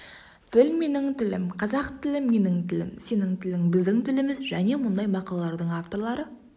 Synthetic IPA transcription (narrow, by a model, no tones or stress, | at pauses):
t̪ʰɪlme̞nɪŋt̪ʰɪlɪ̰mqʰɑzɑqt̪ʰɪlɪmme̞nɪŋt̪ʰɪlɪ̰mse̞nɪŋt̪ʰɪlɪŋbɪzd̪ɪŋt̪ʰɪlɪmɪzʒæne̞mʊnd̪ɑjmɑqɑlˠɑlˠɑɾd̪əɴaft̪o̞ɾlˠɑɾə